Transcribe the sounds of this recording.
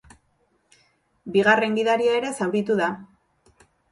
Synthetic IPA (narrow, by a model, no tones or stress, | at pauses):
biɣare̞ŋɡiðaɾiaeɾe̞sawɣit̪uða